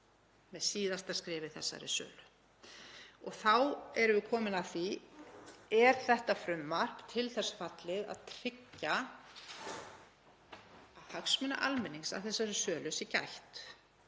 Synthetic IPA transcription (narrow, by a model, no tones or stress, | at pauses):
mɛðsiːðast̪askɾɪːvɪθɛsːa̰ɾɪ̰sœ̰ːlʏ | ɔɣθawɛɾʏvɪkʰɔːmɪnaθi | ɛɾ̥θɛht̪afɾʏmːar̥pt̪ʰɪlθɛsːfat̪lɪða̰ðt̪ʰɾ̥ɪcːa | ðhaksmʏna̰ʔalmɛnːiŋsa̰ðθɛsːaɾɪsœːlʏsica̰jht̪